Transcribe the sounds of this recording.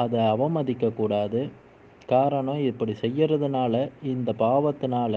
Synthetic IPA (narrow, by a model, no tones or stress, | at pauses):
ɐðɐɐʋɐmɐðɪkːɐkːuːɽaːðɯ | kaːɾɐɳɐ̃ɪpːɐɽisɛjːɪɾɐðɯnaːlɐɪnd̪ɐpaːʋɐt̪ːɯnaːlɐ